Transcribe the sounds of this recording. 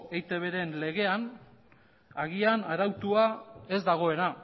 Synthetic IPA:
ejt̪e̞β̞e̞ɾe̞nle̞ɣe̞an | aɣ̞ianaɾawt̪uae̞zd̪aɣ̞o̞e̞na

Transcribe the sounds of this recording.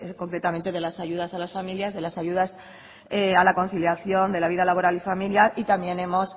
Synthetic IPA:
ko̞ŋkɾe̞t̪ament̪e̞ðe̞lasaʝuðasalasfamiljazðe̞lasaʝuðas | ealako̞nθiljaθjo̞nd̪e̞laβiðalaβo̞ɾalifamiljaɾit̪amje̞ne̞mo̞s

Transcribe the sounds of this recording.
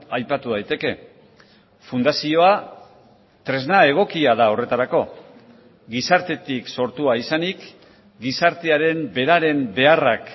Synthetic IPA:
ajpat̪uð̞ajt̪e̞ke̞ | fund̪asio̞a | t̪ɾe̞znae̞ɣ̞o̞kiaðao̞re̞t̪aɾako̞ | ɡisaɾt̪e̞t̪ikso̞ɾt̪uaisanik | ɡisaɾt̪e̞aɾe̞mbe̞ɾaɾe̞mbe̞arak

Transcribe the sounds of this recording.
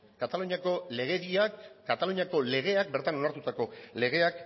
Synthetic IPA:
kat̪aluɲiako̞le̞ɣ̞e̞ðiakːat̪aluɲiako̞le̞ɣ̞e̞ak̚be̞ɾt̪ano̞naɾt̪ut̪ako̞le̞ɣ̞e̞ak

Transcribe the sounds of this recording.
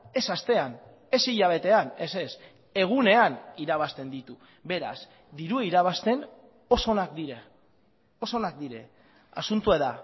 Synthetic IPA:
e̞sast̪e̞an | e̞siʎaβ̞e̞t̪e̞ane̞se̞s | e̞ɣ̞une̞aniɾaβ̞ast̪e̞nd̪it̪u | βe̞ɾa̰z | d̪iɾueiɾaβ̞ast̪e̞n | o̞so̞nakd̪iɾe | o̞so̞nak̚d̪iɾe̞̰ | a̰sunt̪ueða

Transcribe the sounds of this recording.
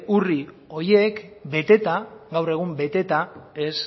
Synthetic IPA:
uri | o̞je̞kbe̞t̪e̞t̪aɣawre̞ɣ̞umbe̞t̪e̞t̪ae̞s

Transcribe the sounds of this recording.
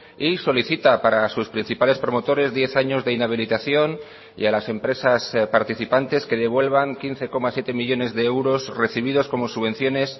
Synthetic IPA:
iso̞liθit̪apaɾasuspɾin̟θipale̞spɾo̞mot̪o̞ɾe̞zðje̞θaɲo̞zðe̞inaβ̞ilit̪aθjo̞n | ḭalase̞mpɾe̞saspaɾt̪iθipant̪e̞ske̞ðe̞βwe̞lβaŋkinθe̞ko̞masje̞t̪e̞miʎo̞ne̞zðeewɾo̞sre̞θiβ̞iðo̞sko̞mosuβe̞nθjo̞ne̞s

